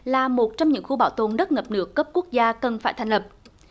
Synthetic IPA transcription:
laː˨˩mo˨˩t̚t͡ɕɔ˧wŋ͡mɲɨ̰˧˥ŋxu˧ɓaː˧˩wt̪o˨˩nɗə˦˥t̚ŋə˨˩p̚nɨ̰˧˥əkːə˦˥p̚ku˦˥ək̚zaː˧kə˨˩nfaː˧˩jt̪ʰa˧˩jŋ̟lə˨˩p̚

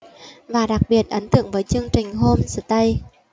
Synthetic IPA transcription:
vaː˨˩ɗa˨˩k̚ɓi˨˩ət̚ʔə˨˦nt̪ɨ̰˧˨əŋvəː˨˦jt͡ɕɨ˧əŋt͡ɕï˨˩ŋ̟ɦo˧mzɨ̰˧˩t̪ə˧j

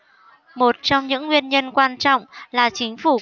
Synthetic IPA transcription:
mo˨˩t̚t͡ɕɔ˧wŋ͡mɲɨ̰˧˥ŋːwi˧ənɲə˧nkwaː˧nt͡ɕɔ̰˧˨wŋ͡mlaː˨˩t͡ɕï˨˦ŋ̟fu˧˩

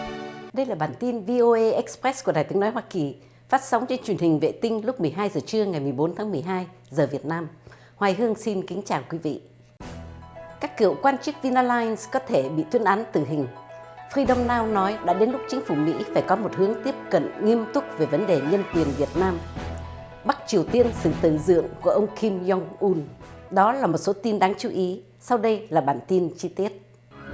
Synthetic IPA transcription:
ɗə˧jlaː˨˩ɓaː˨˩nt̪i˧nvi˧ʔo˧ʔe˧ʔɛ˦˥k̚spɾɛ˦˥ku˧˩əɗaː˨˩jt̪ɨ˨˦ŋnɔ˨˦jɦwaː˧ki˨˩ | faː˦˥t̚sa˨˦wŋ͡mt͡ɕe˧nt͡ɕwi˨˩ənhï˨˩ŋ̟vḛ˧˨t̪ï˧ŋ̟lʊ˦˥k͡p̚mɨ˨˩əjɦaː˧jzəː˨˩t͡ɕɨ˧əŋa˨˩jmɨ˨˩əjɓo˨˦nt̪ʰaː˨˦ŋmɨ˨˩əjɦaː˧j | zəː˨˩vi˨˩ət̚naː˧m | hwaː˨˩jɦɨ˧əŋsi˧nkï˨˦ŋ̟t͡ɕaː˨˩wkwi˨˦vḭ˧˨ | kaː˦˥kːɨ̰˧˩əwkwaː˧nt͡ɕɨ˦˥k̚vi˧naː˧laː˧jnskɔ˨˦t̪ʰe˧˩ɓḭ˧˨t̪wi˧ənʔaː˨˦nt̪ɨ˧˨˩ɦï˨˩ŋ̟ | fɾi˧ɗə˧wŋ͡mnaː˧wnɔ˨˦jɗa̰ː˧˥ɗe˨˦nlʊ˦˥k͡p̚t͡ɕï˨˦ŋ̟fu˧˩mḭ˧˥faː˧˩jkɔ˨˦mo˨˩t̚hɨ˨˦əŋt̪i˦˥əp̚kə̰˧˨nŋi˧əmt̪ʊ˦˥k͡p̚ve˨˩və˨˦nɗe˨˩ɲə˧nkwi˨˩ənvi˨˩ət̚naː˧m | ɓa˦˥k̚t͡ɕi˨˩əwt̪i˧ənsɨ̰˧˨t̪ɨ̰˧˩zɨ̰˧˨əŋku˧˩əʔə˧wŋ͡mki˧mzɔ˧ŋʔu˧nɗɔ˨˦laː˨˩mo˨˩t̚so˨˦t̪i˧nɗaː˨˦ŋt͡ɕu˨˦ʔi˨˦ | sa˧wɗə˧jlaː˨˩ɓaː˨˩nt̪i˧nt͡ɕi˧t̪i˦˥ət̚

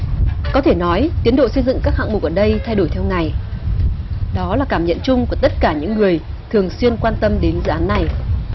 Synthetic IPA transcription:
kɔ˨˦t̪ʰe˧˩nɔ˨˦jt̪i˨˦ənɗo̰˧˨sə˧jzɨ̰˧˨ŋkaː˦˥k̚ha̰ː˧˨ŋmʊ˨˩k̚ʔəː˧˩ɗə˧jt̪ʰa˧jɗo˧˩jt̪ʰɛ˧wŋa˨˩j | ɗɔ˨˦laː˨˩kaː˧˩mɲə̰˧˨nt͡ɕʊ˧ŋ͡mku˧˩ət̪ə˦˥t̚kaː˧˩ɲɨ̰˧˥ŋːɨ˨˩əj | t̪ʰɨ˨˩əŋswi˧ənkwaː˧nt̪ə˧mɗe˨˦nzɨ̰˧ʔaː˨˦nːa˨˩j

